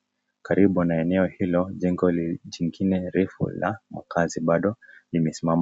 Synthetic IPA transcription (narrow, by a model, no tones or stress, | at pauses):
kaɾiɓunaɛnɛɔhilɔʄɛŋɡɔliʄiŋɡinɛɾɛfṵla̰ma̰kaziɓaɗɔlimɛsimama